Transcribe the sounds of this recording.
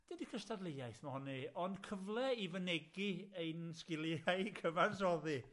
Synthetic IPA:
d̥idikʰəstʰadlˠejajθmahɔniɔnd̥kʰəvlˠɛivənɛɡieɨnskɪliajkʰəvarsɔði

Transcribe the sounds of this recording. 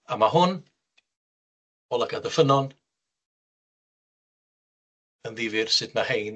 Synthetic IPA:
amaɦʊn | ɔlaɡadəfənɔn | ənðɪvɪrsɨdmahejn

